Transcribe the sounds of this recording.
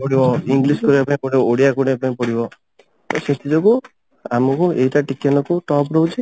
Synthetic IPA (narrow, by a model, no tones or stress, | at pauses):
pɔɽibɔiŋɡliskɔɾiapaĩpɔɽibɔoɽijakuɽãpaĩpɔɽibɔ | t̪ɔset̪ʰid͡ʒɔku | amɔkueɦiʈaʈikenɔkuʈɔpɾɔɦut͡ʃʰi